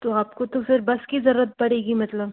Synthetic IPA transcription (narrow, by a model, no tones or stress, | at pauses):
t̪oaːpkot̪ofʰɪɾbɐskizɐɾuːət̪̚pɐɽeːɡimɐt̪ləb